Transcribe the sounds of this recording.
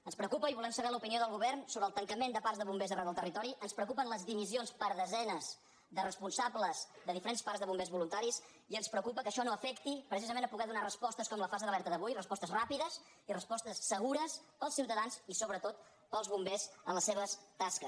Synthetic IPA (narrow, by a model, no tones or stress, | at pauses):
ənspɾəwkupəiβulɛmsəβɛlupinioðəlˠɣuβɛrnsoβɾəlˠt̪əŋkəmend̪əpaɾzðəβumbezərɛwðəlˠt̪ərit̪ɔɾiʔənspɾəukupənləzðimizionspəɾðəzɛnəz | ðərəspunsabləzðəðifəɾenspaɾzðəβumbezβulunt̪aɾis | iənspɾəwkupəkəʃɔnoəfɛkt̪ipɾəsizəmenəpuɣɛðunarəspɔst̪əskɔmləfazeðəlɛɾt̪əðəβujrəspɔst̪əzrapiðəz | irəspɔst̪əsːəɣuɾəspəlˠsiwt̪əðanzisoβɾət̪ot̪ | pəlˠzβumbezənləseβəst̪askə